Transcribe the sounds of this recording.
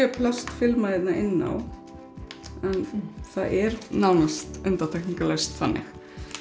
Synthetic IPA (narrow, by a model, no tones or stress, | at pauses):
ɛpʰlast̪fɪlmaðjɛt̪naʔɪnːa̰w | ɛnθaðʔɛɾnawnst̪ʏnt̪aɾt̪ʰɛkniŋkalest̪θanːɪ̰x